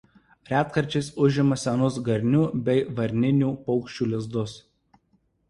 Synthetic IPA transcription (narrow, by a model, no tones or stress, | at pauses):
ɾʲæːt̪kɐɾʲt͡ʃʲɛɪsʊʒʲɪmɐsʲɛnʊs̬ɡɐɾʲnʲuːbʲɛɪʋɐɾʲnʲɪnʲuːpɒʊkʃʲt͡ʃʲuːlʲɪzd̪ʊs